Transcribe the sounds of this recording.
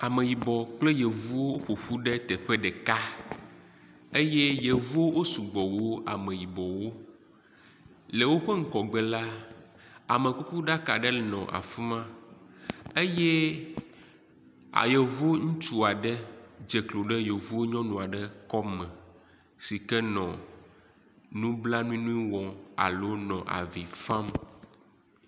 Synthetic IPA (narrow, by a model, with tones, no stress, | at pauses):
a˨mẽ˨ji˨bɔ˨k͡ple˦je˨vu˦wo˦wo˦ɸo˨ɸu˦ɖe˦t̪ɛ˨ɸe˦ɖɛ˨ka˦ | e˦jɛ˦je˨vu˦wo˦wo˦su˨ɡ͡bɔ˨wo˦a̰˨mẽ˨ji˨bɔ˨wo˦ | le˨wo˦ɸɛ˦ŋ̩˦kɔ˨ɡ͡bɛ˨la˦ | a˨me˨ku˦ku˦ɖa˦ka˨ɖɛ˦lnɔ̰̃˨ʔa̰˨fi˦mã˦ | e˦jɛ˦ | a̰˨jɛ˨vu˦ŋũ˦t͡ʃu˦a˨ɖɛ˦d͡ʒe˨klo˨ɖɛ˦je˨vu˦o˦ɲɔ̃˦nũ˨a˨ɖɛ˦kɔ˦mɛ̃˨ | si˨kɛ˦nɔ̃˨ | nũ˦bla˦nũ˦ĩ˦nũ˦i˦wɔ̃˨a̰˨lo˦nɔ̃˨ʔa̰˨vi˨fã˦m